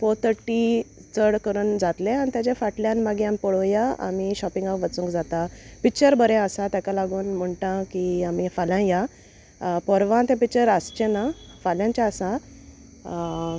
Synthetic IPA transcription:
foɾt̪ʰəɾʈit͡səɽkəɾuːnd͡zat̪lẽañit̪jat͡ɕafaʈljãnmaɡijãmipəɽojaa̰miɕɔpĩŋɡapʋət͡sũŋkd͡zat̪apikt͡ɕəɾbəɾẽəsat̪jakalaɡuːnm̤əɳʈãkiamifaljãja | pəɾʋãt̪ẽpik̚t͡ɕəɾəst͡ɕenafaljãɲt͡ɕaəsa

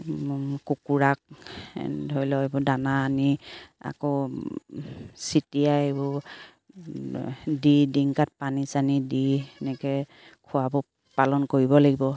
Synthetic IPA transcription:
kukuɹak̚ | dʱɔjlɔebʊdanaːnia̰kɔ | sitijaebʊ | didiŋkat̚panisanidinɛkɛ | kʰʊabɔ | palɔnkoɹibɔlaɡibɔ

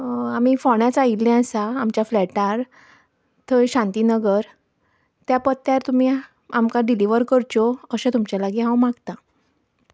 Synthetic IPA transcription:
amifɔɳjat͡sailẽasaːmt͡ɕjaflɛʈaɾ | t̪ʰəɕãnt̪inəɡəɾ | t̪japət̪ːjaɾt̪umi | amkaɖiliʋəɾkəɾt͡ɕɔəɕẽt̪umt͡ɕalaɡiɦãwmaɡt̪ã

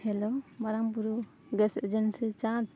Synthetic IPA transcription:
hɛlɔbaɾambuɾu | ɡɛsed͡ʒɛnsit͡ʃã

